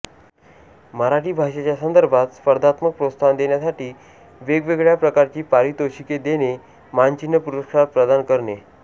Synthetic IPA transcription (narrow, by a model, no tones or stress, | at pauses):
məɾaʈiːbʱaʂat͡ɕjasənd̪əɾbʱat̪spəɾd̪ʱat̪mək̚pɾot̪st̪ʰand̪eɳjasaʈiː | ʋeɡʋeɡɭjapɾəkaɾt͡ɕiːpaɾit̪oɕiked̪ene | maɲt͡ɕinːəpuɾəkʂapɾəd̪ankəɾɳe